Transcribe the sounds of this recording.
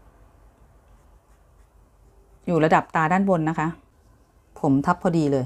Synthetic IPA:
juː˨˩la˧da˨˩p̚t̪aː˧daː˥˩nwo˧nːa˦˥kʰa˦˥ʔ | pʰo˩˦mt̪ʰa˦˥pʰːɔː˧diː˧lɤː˧j

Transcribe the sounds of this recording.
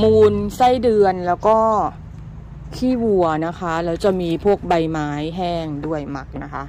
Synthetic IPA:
muː˧nsa˥˩jdɯ˧ənlɛː˦˥wkɔː˥˩ | kʰiː˥˩wu˨˩ɐna˦˥kʰa˦˥lɛː˦˥wt͡ɕa˨˩miː˧pʰu˥˩ək̚ba˧jmaː˦˥jɦɛː˥˩ŋdu˥˩əjma˦˥k̚na˦˥kʰa˦˥ʔ

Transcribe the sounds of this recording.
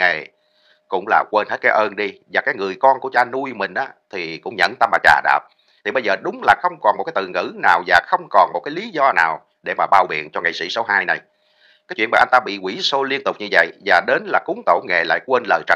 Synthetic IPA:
ŋe˨˩ | kʊ̰˧˥ŋ͡mlaː˨˩kwe˧nhe˦˥t̚kaː˨˦jʔəː˧nɗi˧vaː˨˩kaː˨˦jŋɨ˨˩əjkɔ˧nku˧˩ət͡ɕaː˧nu˧jmï˨˩ŋ̟ʔaː˨˦t̪ʰi˨˩kʊ̰˧˥ŋ͡mɲə̰˧˨nt̪a˧mlaː˨˩t͡ɕa̰ː˨˩ɗa̰ː˨˩p̚ | t̪ʰi˨˩ɓə˧jzəː˨˩ɗʊ˨˦ŋ͡mlaː˨˩xə˧wŋ͡mkɔ˨˩nm˨˩t̚kaː˨˦t̪ɨ̰˨˩ŋɨ̰˧˥naː˨˩wzaː˨˩xə˧wŋ͡mkɔ˨˩nmo˨˩t̚kaː˨˦jli˨˦zɔ˧na̰ː˨˩w | ɗe˧˩maː˨˩ɓaː˧wɓḭ˧˨ənt͡ɕɔ˧ŋa˨˩jsḭ˧˥so˨˦ɦaː˧jna˨˩j | kaː˨˦jt͡ɕwḭ˧˨nmaː˨˩ʔnt̪aː˧ɓḭ˧˨kwi˧˩so˧li˧ənt̪ʊ˨˩k͡p̚ɲɨ˧və̰˧˨jvaː˨˩ɗe˨˦nlaː˨˩kʊ˨˦ŋ͡mt̪o̰˧˩ŋe˨˩la̰ː˧˨jkwe˧nləː˨˩jt͡ɕə˨˩

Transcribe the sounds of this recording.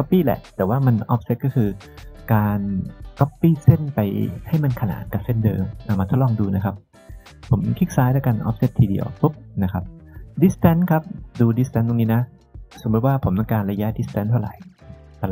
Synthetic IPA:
kɔ˦˥pːiː˥˩lɛ̰˨˩ʔt̪ɛː˨˩waː˥˩ma˧nʔɔː˦˥p̚se˦˥t̪̚kɔː˥˩kʰɯː˧ | kaː˧nkɔ˦˥pːiː˥˩se˥˩npa˧jha˥˩jma˧nkʰa˧na̰ː˩˦n̚ka˨˩p̚se˦˥˩ndɤ̰ː˧mʔaː˨˩maː˧o˦˥t̚lɔː˧ŋduː˧na˦˥kʰa˦˥p̚ | pʰːo˩˦mkʰi˦˥k̚saː˦˥jd̪aː˥˩ka˧nʔɔ̰ː˦˥p̚se˦˥t̪̚ʰːiː˧dḭ˧˩ɐ̰wp̪u˦˥p̚na˦˥kʰa˦˥p̚di˦˥st̪ɛ˦˥nkʰa˦˥p̚duː˧di˦st̪ɛ˧˦˥nd̪o˧ŋniː˦˥na˦˥ | so˩˦mbu˦˥t̪̚waː˥˩pʰo˩˦mt̪ɔ˧kaː˧nɾa˧ja˦˥di˦˥st̪ɛ˦nt̪ʰa˥˩ɾa̰˨˩˦j | a˧˩˧

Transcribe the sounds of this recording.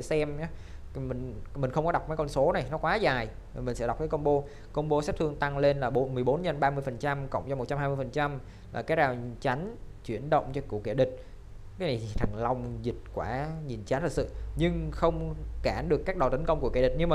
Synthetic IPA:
ə˧˩sɛ˧m˨˦ | mï˨˩ŋ̟mï˨˩ŋ̟xə˧wŋ͡mkɔ˨˦ɗa˨˩wk͡p̚ma˨˦kɔ˧nso˨˦na˨˩jnɔ˨˦kwaː˨˦zaː˨˩j | mï˨˩sɛ̰˧˥ɗk͡p̚kaː˨˦kə˧wŋ͡mɓo˧ | kə˧wŋ͡mɓo˧sa˦˥t̪ʰɨ˧əŋt̪a˧ŋle˧nlaː˨˩ɓo˨˦mɨ˨˩jɓo˨˦nɲə˧nɓaː˧mɨ˧əjfə˨˩nt͡ɕa˧mkə̰˧˨wŋ͡mt͡ɕɔ˧m˨˩t̚t͡ɕa˧maː˧mɨ˧jfə˨˩nt͡ɕa˧m | laː˨˩kaː˨˦j̚aː˨˩wnt͡ɕa˨˦jŋ̟t͡ɕwi˧˩ənɗə̰˧˨wŋ͡mt͡ɕɔ˧kṵ˧˩ke˧˩ɗï˨˩k̟̚ | kaː˨˦jna˨˩jt̪ʰt̪ʰa˨˩ŋ̟la˧wŋ͡mzï˨˩t̟̚kwaː˧˩ɲi˨˩nt͡ɕa˨˦nt̪ʰə˨˩k̚sɨ̰˧˨ɲɨ˧ŋxə˧wŋ͡mkaː˧˩nɗɨ˨˩əkːaː˦˥k̚ɗt̪i˨˦ŋ̟kə˧wŋ͡mku˧˩əke˧˩ɗï˨˩k̚ɲɨ˧maː˨˩

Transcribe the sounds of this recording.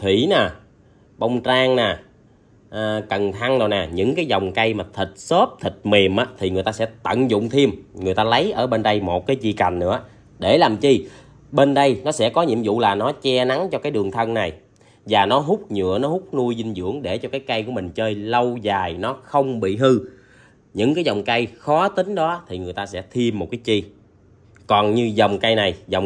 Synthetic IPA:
t̪ʰwḭ˧˩˨naː˨˩ | ɓə˧wŋ͡mt͡ɕaː˧ŋnaː˨˩ | ʔkə˨˩nt̪ʰa˧ŋzo˨˩naː˨˩ɲɨ̰˧˥ŋkaː˨˦jzɔ˨˩wŋ͡mkə˧jmaː˨˩t̪ʰï˨˩t̟̚so˦˥p̚t̪ʰï˨˩t̟̚me˨˩mʔaː˨˦t̪ʰi˨˩ŋɨ˨˩əjt̪aː˧sɛ̰˧˥t̪ə̰˧˨nzʊ̰˧˨ŋ͡mt̪ʰi˧əmŋɨ˨˩əjt̪aː˧lə˨˦jʔəː˧˩ɓe˧nɗə˧jmo˨˩t̚kaː˨˦jt͡ɕi˧˩ka˨˩ŋ̟nɨ̰˧˥ə | ɗe˧˩laː˨˩mt͡ɕi˧ | ɓe˧nɗə˧jnɔ˨˦sɛ̰˧˥kɔ˨˦ɲḭ˧˨əmzṵ˧˨laː˨˩nɔ˨˦t͡ɕɛ˧na˨˦ŋt͡ɕɔ˧kaː˨˦jɗɨ˨˩əŋt̪ʰə˧nna˨˩j | vaː˨˩nɔ˨˦ɦʊ˦˥k͡p̚ɲɨ̰˧˨ənɔ˨˦hʊ˦˥k͡p̚nu˧jzi˧nzɨ̰˧˥əŋɗe˧˩t͡ɕɔ˧kaː˨˦jkə˧jku˧˩əmï˨˩ŋ̟t͡ɕəː˧jlə˧wzaː˨˩jnɔ˨˦xə˧wŋ͡mɓḭ˧˨hɨ˧ | ɲɨ̰˧˥ŋkaː˨˦jzɔ˨˩wŋ͡mkə˧jxɔ˨˦t̪ï˨˦ŋ̟ɗɔ˨˦t̪ʰi˨˩ŋɨ˨˩əjt̪aː˧sɛ̰˧˥t̪ʰi˧əmːo˨˩t̚kaː˨˦jt͡ɕi˧ | kɔ˨˩nɲɨ˧zə˨˩wŋ͡mkə˧jna˨˩jzɔ˨˩w

